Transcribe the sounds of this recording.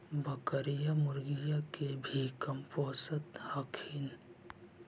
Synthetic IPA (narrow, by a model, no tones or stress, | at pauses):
bəkəɾijamʊɾɡijakebʱikəmpoːsət̪hakʰin